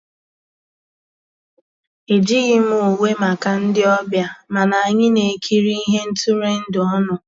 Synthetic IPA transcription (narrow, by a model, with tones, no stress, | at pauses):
e˨d͡ʒi˦ɣɪ˦m˦o˨we˦ma˨ka˨n̩˦dɪ˦ɔ˦bja˦ma˨na˨a˨ɲɪ˦ne˨kʰi˦ɾi˦i˦ɦe˦n̩˦tʊ˦ɾe˦n̩˦dɪ˨ɔ˦nʊ˨